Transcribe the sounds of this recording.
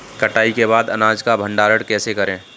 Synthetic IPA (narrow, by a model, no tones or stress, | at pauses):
kəʈaːikeβaːd̪ɐnaːd͡ʒkabʱə̃ɳɖaːɾəɽkɛːsekɐɾẽː